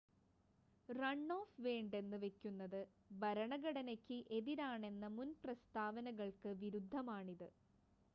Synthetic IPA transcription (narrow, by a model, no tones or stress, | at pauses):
rɐɳːo̞ːfʋe̞ːɳɖe̞nːɨʋe̞kʲːunːɐðɨ | bɐɾɐɳɐɣɐɽɐnɐkʲːɨʔe̞ðiɾaːɳe̞nːɐmunprɐst̪aːʋɐnɐɣɐɭkɨʋiɾud̪ʱːɐmaːɳiðɨ